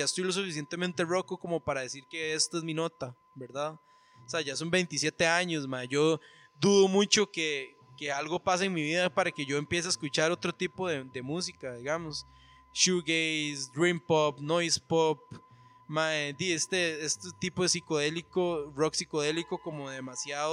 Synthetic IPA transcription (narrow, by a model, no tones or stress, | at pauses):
aest̪ojlos̬ufis̬je̞nt̪e̞mẽnt̪erokokomopaɾaðe̞siɾkeest̪oezmino̞t̪a | beɾd̪að | oseaʝaso̞mbe̞jnt̪isje̞t̪e̞aɲos̬maed͡ʒo | d̪uðomut͡ʃoke | kealɡopas̬aeŋmiβiðapaɾake̞ʝo̞empje̞s̬eaeskut͡ʃaɾo̞t̪ɾot̪ipoðed̪emus̬ikaðiɣamos | ʃuɡejsd̪ɾimpopnojspop | maed̪iest̪eest̪ot̪ipoðesikoðelikoroksikoðe̞likokomoðemasjaðo